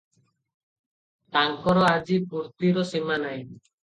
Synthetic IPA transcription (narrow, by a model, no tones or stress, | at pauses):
t̪aŋkɔɾɔad͡ʑipuɾt̪iɾɔsimanaj